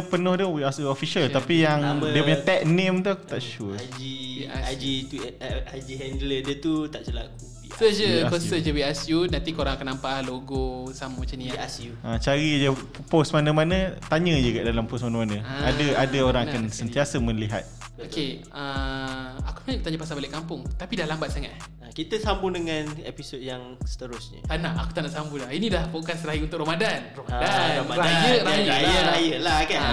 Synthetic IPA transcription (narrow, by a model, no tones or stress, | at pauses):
pənɔhduwiasofiʃalt̪apijaŋdiəpuɲat̪ɛʔ̚nẽmt̪ut̪aʔʃud͡ʒiad͡ʒit̪iad͡ʒiɦɛndlədət̪ut̪aʔt͡ʃəla̰k̚u | isəd͡ʒəapəəd͡ʒəwiasjunãnt̪ikoɾãŋakanːampaʔhloɡosammat͡ʃaniiasuʔãt͡ʃaɾid͡ʒə | posmanamanə̃t̪aɲəd͡ʒəɡaʔdalamposmanamanə̃adaadaoɾaŋakansənt̪iasəmə̃liɦa̰t̪̚ | oke | ə | aku̥sənaɲaʔkət̪aɲãpasabalɪʔkːampʊŋt̪apidahlambat̪̚saŋat̪ | akit̪əsambudəŋanepisod̚jaŋ | sə̥t̪əɾʊsɲə̰t̪anaʔakut̪anaʔsambulahinidahpokansəɾaiunt̪ʊk̚ʔɾomadanromadaomaɾajəɾajajəɾajəlaka